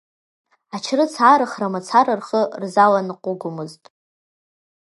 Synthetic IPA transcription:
at͡ʃʰrɨt͡sʰaːɾɨχramat͡sʰaɾɨrχərzalanqʷʼʊɡʷʊmɨztʼ

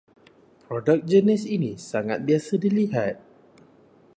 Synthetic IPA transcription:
pɾɔdək̚d͡ʒənisinisaŋa̰t̪̚biasədiliɦat̪̚

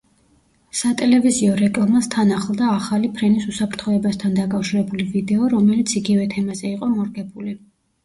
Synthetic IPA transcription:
sat̪ʼɛlɛviziɔɾɛkʼlˠamast̪ʰanaχlˠd̪aːχalipʰɾɛnisusapʰɾt̪ʰχɔɛbast̪ʰand̪akʼafʃiɾɛbulivid̪ɛɔɾɔmɛlit̪sʰiɡivɛt̪ʰɛmazɛiqʼɔmɔɾɡɛbuli

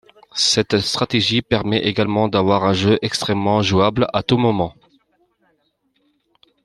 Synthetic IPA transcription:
sɛt̪st̪χat̪eʒipɛʁmɛʔeɡalmɑ̃d̪avwaʁɛ̃ʒøʔɛkst̪χɛmːɑ̃ʒuablat̪umɔmɑ̃

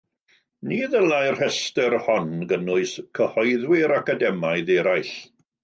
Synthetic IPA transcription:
niːðəlˠajr̥hɛstɛrhɔnɡənʊɨskʰəhɔɨðwɪɾakadɛmaɨðeːɾajɬ

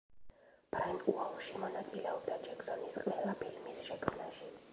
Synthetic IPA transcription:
b̥ɾainuɔlˠʃimɔnat̪sʼilɛɔbd̪ad͡ʒɛkz̥ɔnisqʼʋɛlˠapʰilmisʃɛkʰmnaʃi

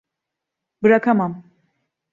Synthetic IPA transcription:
bɯɾakʰamam

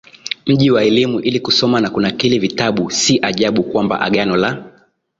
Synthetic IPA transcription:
m̩ʄiwaɛlimuʔilikusɔmanakunakilɛvitaɓusiʔaʄaɓukwamba̰ʔa̰ɠanɔla

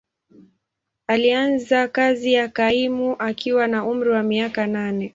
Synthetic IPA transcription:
alianzakazijakaimuʔakiwanaum̩ɾiwamiakananɛ

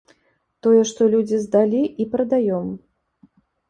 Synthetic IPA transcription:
t̪ɔjɛʂt̪ɔlʲud͡zʲizd̪alʲiipɾɐd̪ajɔm

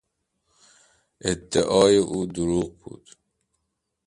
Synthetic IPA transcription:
ed̪ːeʔɒːjeʔuːd̪uɾuːqbṵːd̪̥

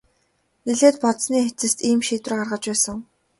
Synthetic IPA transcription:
iɮeːt̪pɔt̪sniːxet͡sɘ̆st̪iːmʃiːt̪rːɢarʁə̆t͡ɕpæːsə̆ŋ

